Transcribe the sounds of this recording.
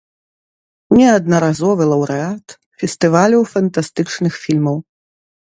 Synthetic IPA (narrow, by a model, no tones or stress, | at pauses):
nʲɛɐd̪nɐɾazɔvɨlˠɐwɾɨat̪ | fʲɛst̪ɨvalʲɐwfɐnt̪ast̪ɨt͡ʂnɨxfʲilʲmɐw